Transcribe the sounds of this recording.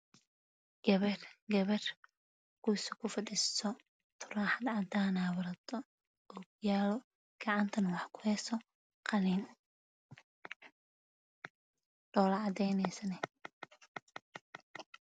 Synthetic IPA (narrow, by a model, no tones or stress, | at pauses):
ɡ̥ɐβɛrɡɐβɛr | kʰusɪkʰʊfɐdissɔ | t̪ʰʊraːħad̪ʕɑd̪aːnaːwɐɾɐd̪ɔ | ɔɡ̚jaːlɔ | ɡ̥ɑʕɑnt̪ʰɐnwɑħkʰʊ̥hɛsɔ | qʰɑniːn | ɖɔːlɐʕɑd̪ɛjnɛsɐnɛ